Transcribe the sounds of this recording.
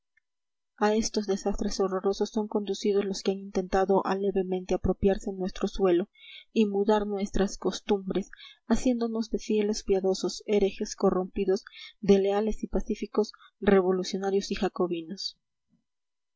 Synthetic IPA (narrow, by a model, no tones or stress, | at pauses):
ae̞st̪o̞zðe̞sast̪ɾe̞so̞ro̞ɾoso̞sːo̞ŋko̞nd̪usiðo̞zlo̞skeanint̪e̞nt̪aðo̞ʔa̰le̞βe̞mẽnt̪e̞apɾo̞pjaɾse̞nːwe̞st̪ɾo̞swe̞lo̞imuðaɾnwe̞st̪ɾasko̞st̪umbɾe̞sasje̞nd̪o̞no̞zðe̞fje̞lo̞spjaðo̞so̞se̞ɾexe̞sko̞rumpiðo̞zðe̞le̞ale̞sipasifiko̞s | re̞βo̞lusjo̞naɾjo̞sixako̞βino̞s